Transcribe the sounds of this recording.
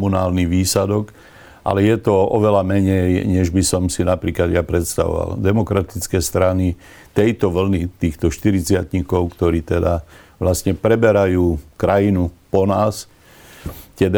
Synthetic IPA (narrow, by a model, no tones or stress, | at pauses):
unaːlniʋiːsad̪ɔk | ʔa̰lɛjɛt̪ɔɔʋɛlamɛɲɛjɲɛʒbisɔmsinapɾiːklad̪japɾɛt̪st̪a̰ʋɔ̰ʋa̰ld̪ɛmɔkɾat̪it͡skɛst̪ɾani | t̪ɛjt̪ɔʋl̩nit̪iːxt̪ɔʃt̪iɾit͡sɪat̪ɲikɔʊkt̪ɔɾiːt̪ɛd̪aʋlasɲɛpɾɛbɛɾajuːkɾajinupɔnaːs | t̪ɪɛd̪